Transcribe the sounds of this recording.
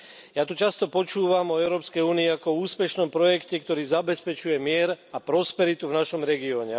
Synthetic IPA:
jaːt̪ut͡ʃast̪ɔpɔt͡ʃuːʋamɔɛʊɾɔːpskɛjuːniːakɔuːspɛʃnɔmpɾɔjɛkcɛkt̪ɔɾiːzabɛspɛt͡ʃujɛmɪɛɾapɾɔspɛɾit̪uvnaʃɔmɾɛɡiɔːɲɛ

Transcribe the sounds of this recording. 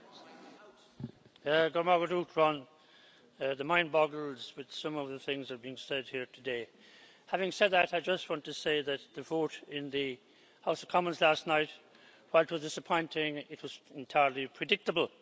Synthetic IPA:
ɡʊd̚mɑɹɡəɾutʰɹə̃n | ðəmãɪ̃nbɑɡl̩ˠzwɨð̥sʌ̃mʌvðəθɪ̃ŋzə˞biɪ̃ŋsɛd̚hiɹtʰɨdeɪ | hævɪ̃ŋsɛd̪̚ðɨɾaɪd͡ʒʌst̚wɑ̃ntʰɨseɪðɨt̪̚ðɨvoʊɾɪ̃nðɨ | haʊsʌv̥kʰɑmə̃nzlæstⁿnaɪt̚ | waɪlˠɪt̚wʌzdɪsəpʰɔ̃ɪ̃ntʰɪ̃ŋɪt̚wʌz̥ɛ̃ntʰaɪə˞lipʰɹ̥ɨdɪk̚təbəl̩ˠ

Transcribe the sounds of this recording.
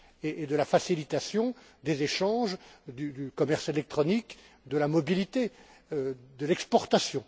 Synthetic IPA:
eʔːd̪əlafasilit̪asjɔ̃ | d̪ezeʃɑ̃ʒd̪yd̪ykɔmɛʁselɛk̚t̪χɔnik | d̪əlamɔbilit̪e | d̪əlɛkspɔʁt̪asjɔ̃

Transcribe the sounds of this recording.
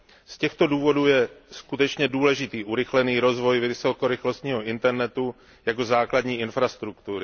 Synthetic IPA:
scɛxt̪o̞duːvo̞duːjɛskut̪ɛt͡ʃɲɛduːlɛʒɪt̪iːʔuɾɪxlɛniːɾo̞zvo̞jvɪɪso̞ko̞ɾɪxlo̞st̪ɲiːɦo̞ʔɪnt̪ɛɾnɛt̪u | jak̬o̞zaːkladɲiːɪnfɾast̪ɾukt̪uɾɪ

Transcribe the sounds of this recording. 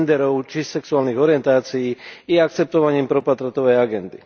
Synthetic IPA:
nd̪ɛɾɔʊt͡ʃissɛksuaːlniːɣɔɾijɛnt̪aːt͡sijiːjɛak̚t͡sɛp̚t̪ɔʋaɲiːmpɾɔpat̪ɾat̪ɔʋɛjaɡɛnd̪ḭ

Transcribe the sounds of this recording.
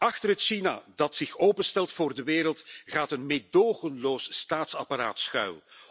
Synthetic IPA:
ɑxtərɦətʃina̰ːdɑtsɪxoːpənstɛlˠtfʊːrdəʋeːɾəlˠtɣaːtənmedoːənloːsstaːtsɑpaɾa̰ːtsxœ̰ɥl

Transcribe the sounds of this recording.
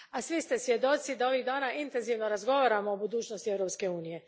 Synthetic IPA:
asʋist̪esʋjed̪o̞t̪sid̪ao̞ʋiɣd̪aːnaʔint̪enziʋnoɾazɡo̞ʋaɾamoːbud̪uːt͡ʃnost̪iewɾopskeuːnije

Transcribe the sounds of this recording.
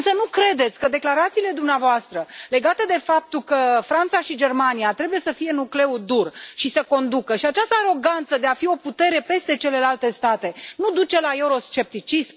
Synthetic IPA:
ɨnsənukɾe̞d̪e̞t̪sʲkəd̪e̞klaɾat̪siːle̞d̪umneavoast̪ɾəle̞ɡat̪ed̪e̞fap̚t̪ukəfɾant̪saʃid͡ʒe̞rmaniat̪ɾe̞buje̞səfije̞nukle̞ud̪urʃisəko̞nd̪ukəʃiat͡ʃast̪əaɾo̞ɡant̪səd̪e̞afio̞put̪e̞ɾe̞pe̞st̪e̞t͡ʃe̞le̞lalt̪e̞st̪at̪e̞nud̪ut͡ʃe̞lae̞uɾo̞st͡ʃe̞p̚t̪it͡ʃism

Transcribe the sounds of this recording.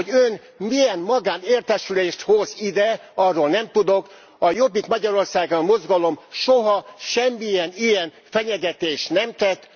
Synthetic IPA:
oɟøn | mijɛnmɒɡaːneːrt̪ɛʃyleːʃt̪ho̞zid̪ɛɒrːoːlnɛmt̪ud̪ok | ɒjo̞bːikmɒɟɒɾo̞rsaːɡɒmo̞zɡɒlo̞mʃoɦɒʃɛmːijɛnijɛn | fɛɲɛɡɛt̪eːʃnɛmt̪ɛt̪ː

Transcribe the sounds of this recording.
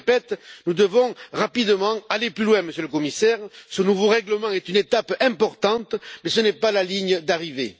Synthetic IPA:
pɛt̪nud̪əvɔ̃ʁapid̪əmɑ̃aleplylwɛ̃məsjøləkɔmisɛʁsənuvoʁɛɡləmɑ̃ɛt̪ynet̪apɛ̃mpɔʁt̪ɑ̃t̪mɛsənɛpalaliɲəd̪aʁive

